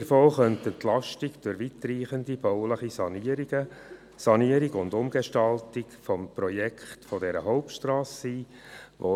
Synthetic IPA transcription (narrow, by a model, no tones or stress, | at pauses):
ɾfoːχœnt̪ət̪lɑʃtɪɡd̥ʊɾʋit̪riːχəndib̥ɔʊləχisɑniəɾiɡə | sɑniəɾɪɡʊndʊmɡ̥eʃtɑltɪkfɔmprɔjɛkχtfɔdɛɾəɦɔʊp̚tʃtrɑːssiː | ʋo